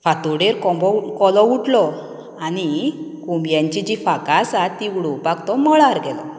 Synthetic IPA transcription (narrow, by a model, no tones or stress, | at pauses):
fat̪oɽeɾkɔbɔkɔlɔuʈlɔ | anikumbjãɲt͡ɕid͡ʑifakasat̪ːiuɽɔpakt̪ɔmɔɭaɾɡɛlɔ